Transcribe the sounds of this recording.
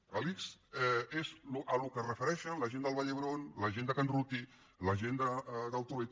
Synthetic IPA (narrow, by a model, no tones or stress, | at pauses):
əlikzɛezluʔəlukərəfəɾɛʃənləʒend̪əlˠβaʎəβɾonləʒend̪əkanrut̪i | ləʒend̪əd̪əlˠt̪uβe